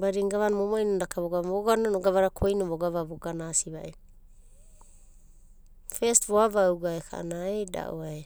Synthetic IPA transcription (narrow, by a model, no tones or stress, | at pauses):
baɾiŋɡaβanmomoinondakaβoɡaoɡanonoɡaβaɾakʰojnoβoɡaβaβoɡanasiβa̰ʔe | festβoaβawɡaekʰa̰ʔa̰naeda̰ʔoae